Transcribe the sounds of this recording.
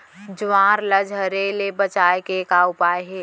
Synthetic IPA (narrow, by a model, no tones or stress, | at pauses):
d͡ʒʊwãːɾləd͡ʒɦəɾeːlebət͡ʃaːekekaːʊpaːeɦɛː